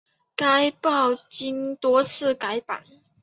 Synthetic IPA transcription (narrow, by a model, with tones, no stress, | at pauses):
ka˥ɪpɑ˥˨ʊt͡ɕi˥nt̪wɔ˥t͡sʰɹ̩˥˩ka˧˥ɪpa̰˨˩˦n